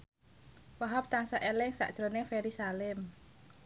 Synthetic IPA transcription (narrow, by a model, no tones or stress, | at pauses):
waɦɔp̚t̪aŋsaʔelɪŋsa̰ʔd̥ʒ̥ɾonɪŋfeɾisalɛm